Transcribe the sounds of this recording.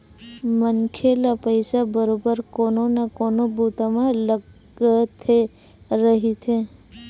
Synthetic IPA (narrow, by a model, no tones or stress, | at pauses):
mənkʰelapəjsabəɾobəɾkoːnonakoːnobʱut̪amãlə | t̪ʰe | ɾəɦit̪ʰe